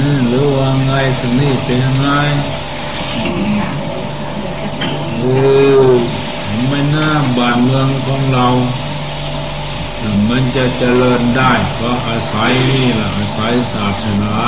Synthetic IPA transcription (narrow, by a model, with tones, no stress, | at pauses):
ʔɯː˧˩lɯː˨˦˥waː˧ŋa˧jt̪ʰa˧˩ŋniː˧˥˩pe˧nja˧ŋːa˧˥j | ʔoː˧ | ka˨˩˦ma˧˩jnaː˧˥˩mbaː˧˨˩nmɯ˧əŋkʰɔː˨˦ŋɾa˧w | la˧˩ma˧˥nt͡ɕa˧˨t͡ɕa˧lɤː˧ndaː˥˩jkʰa˧˩ʔaː˧sa˨˦jniː˧˩la˧˩ʔaː˧˩sa˨˦jsaː˨˩t̪ʰːa˧˩na˧